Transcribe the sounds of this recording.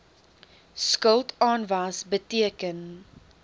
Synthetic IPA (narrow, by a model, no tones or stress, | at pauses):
skəlˠtʰɑːnvɐsbətiəkən